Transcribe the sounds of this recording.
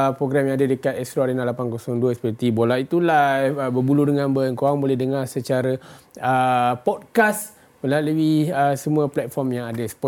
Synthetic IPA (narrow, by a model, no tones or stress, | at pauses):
pɾoɡɾamjãŋadadəkat̪ɛst̪ɾoaɾənalapankosɔŋduəsə̥pərt̪ibolait̪ulabəbuludəŋãnbəŋkoaŋbolɛhdəŋarsət͡ʃaɾəəpɔd̚kas | məlaləwiəsəmũəplɛt̪̚fɔrmjaŋadəsə̥pɔ